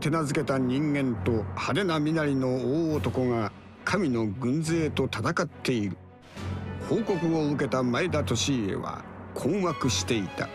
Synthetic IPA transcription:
t̪e̞nazɨke̞t̪aɲ̟ĩŋɡẽ̞nt̪ohaɾe̞namʲinaɾʲino̞oːt̪o̞ko̞ŋa | kʰamʲino̞ɡɯ̟̃nd͡ze̞ːt̪o̞t̪at̪akat̪ʰːe̞iɾɯ̟ | ho̞ːko̞kɯ̟o̞ɯ̟ke̞t̪amaed̪at̪o̞ɕie̞̰βa̰kʰoːmakɯ̟ɕi̥t̪e̞it̪a̰

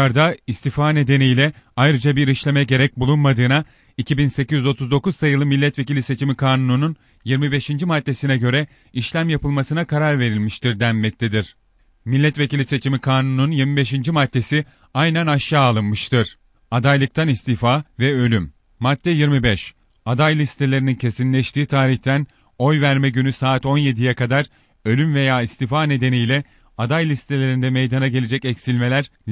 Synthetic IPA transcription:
aɾd̪aist̪ifaːne̞d̪e̞nijlʲɛ | ajɾɯd͡ʒabiɾiʃlʲe̞mɛɟe̞ɾɛc̚bulˠunmad̪ɯːna | icʰibinse̞cyzyzo̞t̪ʰuzd̪o̞kuzsajɯlˠɯmilʲːɛt̪ve̞cilʲise̞t͡ʃʰimikʰaːnununun | jiɾmibe̞ʃind͡ʒimat̪ːe̞sinɛɟø̞ɾɛ | iʃlʲæmjapɯlˠmasɯnakʰaɾaɾve̞ɾilʲmiʃt̪ʰiɾd̪ænmɛc̚t̪ʰed̪iɾ̥ | milʲːɛt̪ve̞cilʲise̞t͡ʃʰimikʰaːnununjiɾmibe̞ʃind͡ʒimat̪̚ːe̞si | ajnænaʃjaːalˠɯnmɯʃt̪ʰɯɾ̥ | ad̪ajlˠɯk̚t̪ʰanist̪ifaːvɛø̞lʲymː | at̪ʰːɛjiɾmibɛʃ | ad̪ajlʲist̪ʰe̞lʲe̞ɾinincʰe̞sinlʲɛʃt̪iːt̪ʰaːɾiçt̪ʰæn | o̞jvæɾmɛɟynysaːt̪o̞nje̞d̪ijɛkad̪aɾ | ø̞lʲymve̞jaːist̪ifaːne̞d̪e̞nijlʲɛ | ad̪ajlʲist̪ʰe̞lʲe̞ɾind̪ɛme̞jd̪anaɟe̞lʲe̞d͡ʒɛcɛcsilʲme̞lʲæɾ

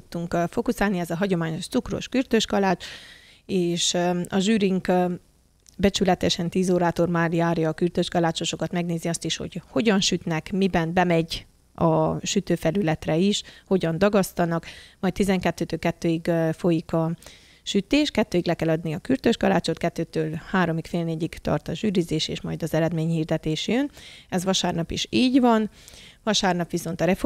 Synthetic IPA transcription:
t̪ːuŋkfo̞kusaːlniɛzɒɦɒɟo̞maːɲoʃt̪sukro̰ʃkyrt̪øʃkɒlaːt͡ʃ | eːʃɒʒyːɾiŋk | bɛt͡ʃylɛt̪ɛʃɛnt̪iːzoːɾaːt̪o̞rmaːrjaːrjɒːkyrt̪øʃkɒlaːt͡ʃo̞ʃo̞kɒt̪mɛɡneːziɒst̪iʃho̞̰cho̞ɟɒnʃyt̪nɛkmibɛnbɛmɛɟ | ɒʃyt̪øːfɛlylɛt̪rɛiʃho̞ɟɒnd̪ɒɡɒst̪ɒnɒkmɒjt̪t̪ːizɛŋkɛt̪ːøːt̪øːlkɛt̪ːøːiɡfo̞jikɒ | ʃyt̪eːʃkɛt̪ːøːiɡlɛkɛlɒd̪niɒkyrt̪øʃɡɒlaːt͡ʃot̪kɛt̪ːøːt̪øːlhaːɾo̞mikfeːlneːɟiɡt̪ɒ̰rt̪ɒʒyːɾizeːʃḛːʃmɒjd̪ɒzɛɾɛd̪meːɲhiːrd̪ɛt̪eːʃjønɛzʋɒʃaːrnɒpiʃiːɟvɒn | vɒʃaːrnɒpʋiso̞nt̪ɒɾɛf

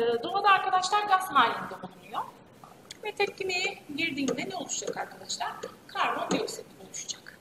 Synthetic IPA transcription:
d̪oɦad̪aːɾkʰad̪aʃlˠaɾɡasmaːlʲind̪ɛonˠunˠujo | vɛt̪ʰɛcʲːimejɛɟiɾd̪iːnd̪ɛnɛo̞lˠuʃud͡ʒakaɾkʰad̪aʃlˠaɾ̥kʰaɾvond̪eset̪ibolˠuʃud͡ʒak

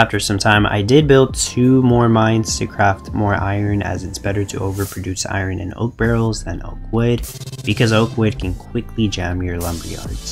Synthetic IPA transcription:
æftə˞sʌ̃mtʰãɪ̃ma̰ɪdɪd̚bɪlˠd̚tʰʉmɔɹmãɪ̃nz̥tʰɨkʰɹ̥æftmɔɹʔa̰ɪə̃˞nɨ̰zɨtsb̥ɛɾə˞ɾɨ̰ʔoʊvə˞pʰɹ̥ɨdʉsa̰ɪə̃˞nʔɨ̰̃no̰ʊk̚b̥ɛɹl̩ˠzðɨ̃no̰ʊkwɪd̚b̥ɨkʰʌzoʊkʰwɪd̚kʰɨ̃nkʰw̥ɪkʰlid͡ʒæ̃mjə˞lʌ̃mbə̰˞jɑ̰ɹdz̥

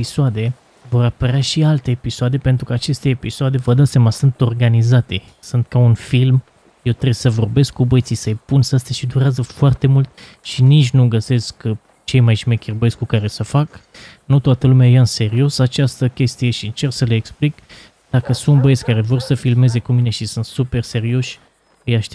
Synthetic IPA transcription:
episoad̪e̞ | vo̞rapəɾʲaʃialt̪e̞ːpisoad̪e̞pe̞nt̪ɾukəat͡ʃe̞st̪e̞ːpisoad̪e̞vəd̪at̪semasɨnt̪o̞rɡanizat̪e̞ | sɨnt̪̚kaunfilm | je̞wt̪ɾesəvo̞rbe̞skkːubəjt̪sisəjpunsast̪aʃid̪uɾeazəfoart̪e̞mult̪̚ | ʃinit͡ʃʲnuɡəse̞sk | t͡ʃe̞jmajʃimekʲirbəetsʲkukaɾesəfak | nut̪oat̪əlumeajaɨnse̞ɾio̞sat͡ʃast̪əkʲe̞st̪ije̞ʃiɨnt͡ʃe̞rksəleeksplik | d̪̥akəsunt̪bəesʲkaɾe̞vo̞rsəfilme̞ze̞kumine̞ʃisunt̪supe̞rse̞ɾio̞ʃʲ | əjaʃt̪e

